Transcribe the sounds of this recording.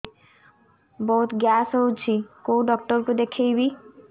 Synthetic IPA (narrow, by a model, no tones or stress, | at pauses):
bɔɦut̪ɡasɦowt͡ɕʰikowɖɔk̚ʈɔɾkud̪ekʰejbi